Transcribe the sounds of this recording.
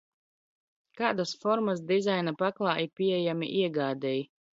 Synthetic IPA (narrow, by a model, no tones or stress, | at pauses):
kaːd̪asfɔɾmasd̪izajnapaklˠɑːiɾpʲiɛjamḭʔiɛɡaːd̪ɛj